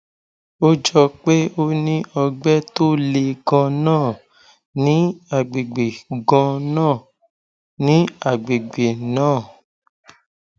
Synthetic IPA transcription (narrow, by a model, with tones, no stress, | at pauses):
o˦d͡ʒɔ˧k͡pe˦o˦nĩ˦ɔ˧ɡ͡bɛ˦to˦le˧ɡɔ̃˧nãː˦˨ | nĩ˨˦a˨ɡ͡be˨ɡ͡be˨ɡɔ̃˧nãː˦˨ | nĩ˨˦a˦˨ɡ͡be˨ɡ͡be˨nãː˦˨